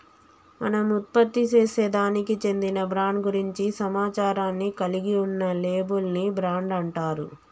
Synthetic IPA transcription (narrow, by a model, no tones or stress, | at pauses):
mɐ̰nɐmut̪̚pɐt̪ːit͡ʃeːse̞ːd̪aːnikit͡ʃe̞nd̪inɐbɾaːɳɖɡuɾiɲt͡ʃisɐmaːt͡ʃaːɾaːnːikɐliɡiunːɐle̞ːbulnibɾaːɳɖɐɳʈaːɾṵ